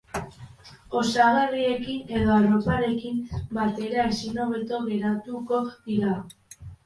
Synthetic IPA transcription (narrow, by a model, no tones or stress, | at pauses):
o̞saɣarie̞kine̞ðo̞aro̞paɾe̞kimbat̪e̞ɾaesino̞βe̞t̪o̞ɣe̞ɾat̪uko̞ðiɾa